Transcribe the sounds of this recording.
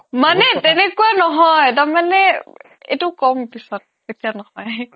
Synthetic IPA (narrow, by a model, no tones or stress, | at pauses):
manɛtɛnɛkuanɔɦɔjtaɹmanɛ | ḛjtʊkɔmpisɔt̚ | etijanɔhɔj